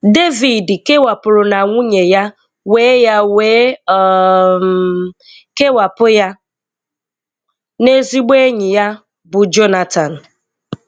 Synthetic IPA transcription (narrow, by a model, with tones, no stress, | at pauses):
de˦vi˨dke˦wa˨pʊ˨ɾʊ˨na˨ŋʷʊ˦ɲe˨ja˦ | weː˦ja˦we˦ | ke˦wa˨pʊ˦ja˦ | ne˦zi˦ɡ͡be˦ɲɪ˨ja˦ | bʊ˨d͡ʒo˦na˨ta˨n̩˨